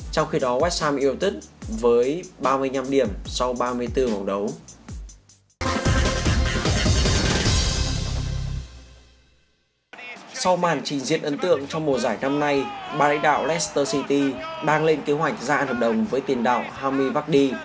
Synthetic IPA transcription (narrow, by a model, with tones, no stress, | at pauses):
t͡ɕɔ˧wŋ͡mxi˧ɗɔ˨˦kwɛː˦˥k̚saː˧mʔi˧əwt̪ï˦˥k̚vəː˨˦jɓaː˧mɨ˧əjɲa˧mɗi˧˩əmsɔ˧wɓaː˧mɨ˧əjt̪ɨ˧mə˨˩wɗə˨˦w | sa˧wmaː˨˩nt͡ɕï˨˩ŋ̟zḭ˧˨ənʔə˨˦nt̪ɨ̰˧˨əŋt͡ɕɔ˧wŋ͡mmo˨˩zaː˧˩jna˧mna˧jɓaː˧˩la̰˧˥ŋ̟ɗa̰ː˧˨wlɛ˦˥st̪əː˧si˧t̪i˧ɗaː˧ŋle˧nke˨˦hwa˨˩jk̟̚zaː˧nhəː˨˩p̚ɗə˨˩wŋ͡mvəː˨˦jt̪i˨˩ənɗa̰ː˧˨wɦaː˧mɨi˧jvaː˦˥k̚ɗi˧